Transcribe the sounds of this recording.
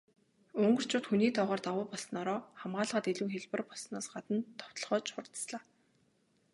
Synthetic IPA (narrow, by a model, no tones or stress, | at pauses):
ɵŋɢɵ̆r̥t͡ɕʰʊːt̪xuniːt̪ʰɔʁɔːrt̪awʊːpɔɮsɞ̆nɔɾɔːχamɢaːɮʁə̆t̪eɮuːxeɮpə̆rpɔɮsnɔːsɢat̪ə̆nt̪ʰːɔ̥w̥t̪ɞ̆ɮʁɔːt͡ɕχʊrt̪sɮaː